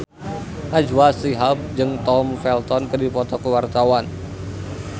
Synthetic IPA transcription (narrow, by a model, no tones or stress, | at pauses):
ʔad͡ʒwasiɦap̚d͡ʒɨŋt̪ɔmfɛlt̪ɔnkərdipɔt̪ɔkəwart̪awan